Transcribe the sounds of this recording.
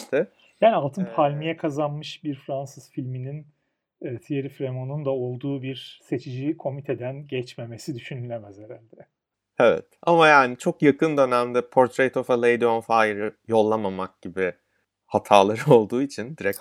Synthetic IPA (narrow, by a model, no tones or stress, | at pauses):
t̪ʰɪ | jaːnialˠt̪ʰɯnpʰalʲmijɛkʰazanmɯʃbiɾfɾansɯz̥filʲmininː | t̪ʰijeɾifɾe̞mo̞nund̪ao̞lˠd̪uːbiɾse̞t͡ʃʰid͡ʒikʰo̞mit̪ʰed̪ænɟɛt͡ʃme̞me̞sid̪yʃynylʲe̞mæzheɾælʲd̪ɛ | evɛ̰t̪amajaːnit͡ʃʰo̞kjakʰɯnd̪ø̞næmd̪ɛpʰo̞ɾt̪ʰɾejt̪ʰofɛlˠejd̪ionfajɾɯjo̞lˠːamamak̚ɟibi | hat̪ʰaːlˠaɾɯo̞lˠd̪uːit͡ʃʰind̪iɾɛc